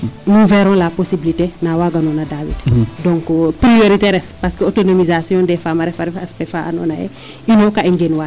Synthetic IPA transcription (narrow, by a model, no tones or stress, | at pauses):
muvɛɾɔ̃laposibilitenawaɡanonadawḭtdɔ̃ŋkpɾijoɾiteɾɛfpaskəotonomizasijɔ̃ːndɛfamaɾɛfaɾɛfaspɛfaʔa̰no̰najɛ̰ | inokaiŋɡenwa